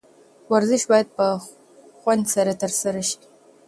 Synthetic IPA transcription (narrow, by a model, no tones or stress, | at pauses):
wɐrzɨʃbaːd̚pʰɐ | χʷɐndsɐɾɐtʰɐrsɐɾɐʃt